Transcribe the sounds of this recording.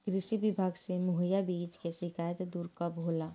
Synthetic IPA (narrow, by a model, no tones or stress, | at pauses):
kɾɪʃibɪbʱaːɡsemʊɦəjabiːt͡ʃkeʃɪkaːjət̪d̪uːɾkabʱoːla